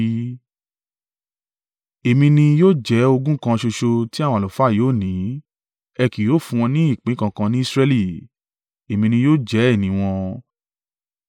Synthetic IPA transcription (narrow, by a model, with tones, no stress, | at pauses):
e˨mĩ˧nĩ˧joː˦d͡ʒɛ˨˦o˧ɡũ˦kã˧ʃo˧ʃo˧ti˦a˦w̃lo˨fa˦˨joː˨˦˨nĩ˨˦ | ɛ˧ki˨joː˦˨fũ˧w̃ɔ̃˧nĩ˦i˦˨k͡pĩ˨˦kã˧kã˧nĩ˦i˦˧sɾɛ˦li˦˨ | e˨mĩ˧nĩ˧joː˦˨d͡ʒɛ˨˦ɛ˦˨nĩ˨˦w̃ɔ̃˧